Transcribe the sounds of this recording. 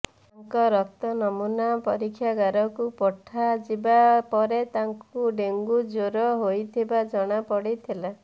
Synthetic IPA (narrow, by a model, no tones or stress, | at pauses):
aŋkɔɾɔkt̪ɔnɔmunapɔɾikʰːjaɡaɾɔkupɔʈʰːad͡ʒibapɔɾet̪aŋkuɖeŋɡud͡ʒoɾɔɦojt̪ʰibad͡ʒɔɽ̃apɔɽit̪ʰila